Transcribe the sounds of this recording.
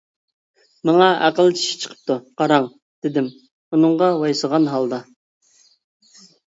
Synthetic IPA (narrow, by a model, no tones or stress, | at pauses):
mɑŋɑʔæ̰qəlˠt͡ʃʰi̥ʃi̥t͡ʃʰə̥qʰə̥p̚t̪ʰuqʰɑɾɑŋ | d̪̥ɪd̪ɪm | unɨɴʁɑwɑjsəʁɑnɦɑlˠd̪ɑ